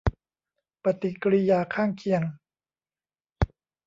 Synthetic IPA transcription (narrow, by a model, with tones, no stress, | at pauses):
pa˧t̪i˨˩kɾi˧jaː˧kʰaː˥˩ŋkʰi˨˧əŋ